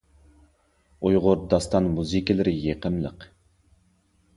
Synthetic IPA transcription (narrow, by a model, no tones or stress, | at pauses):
ujʁʊɾd̪ɑst̪ɑnmuzɨkʲilˠɪɾɪjeqəmlˠəq